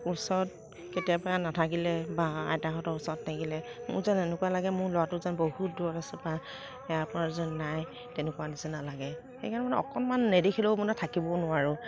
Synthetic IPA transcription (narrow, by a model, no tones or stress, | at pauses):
usɔɹɔt | ketijapɹanatʰak̬ilɛbaa̰jdaxɔtɔɹusɔɹɔtnakilɛmʊ̰zanɛnʊkuwalaɡɛmʊɹlɔatʊzanbohut̚dʊɔtasɛba | ɛjapɔɹaɹzɔnnːaj | tɛnɛkuwadisɛnalaɡɛ | xḛjkʰaɹnɛmanɛɔ̰kɔnmanːedixʰeloʊmɔnɛtʰakibɔnʊwaɹʊ